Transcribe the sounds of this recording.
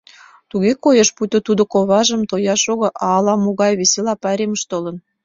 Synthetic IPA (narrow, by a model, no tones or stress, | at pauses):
t̪uɣekojəʃput̪ot̪ud̪ŏkoβɑʒəmt̪ojɑʃoɣə̆ʔɑːlɑmoɣɑjβeselɑpɑɾʲeməʃt̪olə̆n